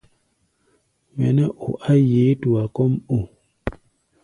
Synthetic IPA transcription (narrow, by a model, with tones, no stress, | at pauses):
mɛ̰˨nɛ˦ʔo˨ʔa˦je˨˦tu˨a˨kɔ˦mo˨